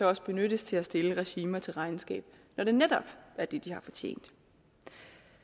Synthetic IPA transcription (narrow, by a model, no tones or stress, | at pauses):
ɑɒ̽sb̥e̝nød̥əst͡sʰe̝læsd̥e̝ləʁɛɕiːmɐt͡sʰe̝lʁɑ̈ɪnsɡ̥ɛ̰ːb̥ | nɒd̥e̝ned̥ɒb̥æɐd̥ed̥ihɑ̈fɒ̽t͡ɕʰḛːn̰d̥